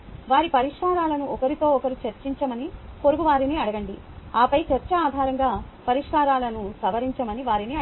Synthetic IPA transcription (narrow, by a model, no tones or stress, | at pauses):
ʋaːɾipɐɾiʂkaːɾaːlɐnuʔɔkɐɾit̪o̞ːɔkɐɾit͡ʃɐɾt͡ʃiɲt͡ʃɐmɐniko̞ɾuɡuʋaːɾiniɐɽɐɡɐɳɖi | aːpɐjt͡ʃɐɾt͡ʃɐaːd̪ʱaːɾɐŋɡaːpɐɾiʂkaːɾaːlɐnusɐʋɐɾiɲt͡ʃɐmɐniʋaːɾiniɐ